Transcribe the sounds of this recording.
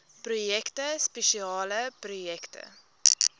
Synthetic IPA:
pɾʊjɛkt̪əspɛʃiɑːləpɾʊjɛkt̪ə̰

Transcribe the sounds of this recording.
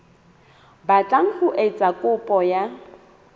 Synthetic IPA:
bat͡ɬʼaŋ̩χʊʔet͡sʼakʼʊpʼɔja

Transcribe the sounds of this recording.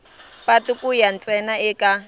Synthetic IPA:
patukʼʊjan̩t͡sʼɛnaɪkʼa

